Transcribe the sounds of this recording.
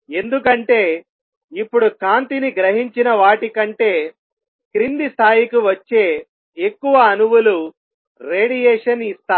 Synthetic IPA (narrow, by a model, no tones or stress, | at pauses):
e̞nd̪ukɐɳʈe̞ː | ipːuɽukaːnt̪iniɡɾɐɦiɲt͡ʃinɐʋaːʈikɐɳʈe̞ː | kɾind̪ist̪ʰaːjikuʋɐt͡ʃːe̞ː | ekːuʋɐːnuʋulu | ɾeːɽijɛːʂɐnist̪aː